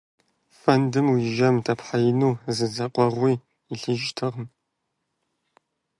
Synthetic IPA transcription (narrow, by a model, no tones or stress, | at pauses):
fɐndɨmwiʒɐmtʰɐpʰħajɪnuːzɨzɐqʷʼɔʁʷiː | iɬɨʒtʰɨʁm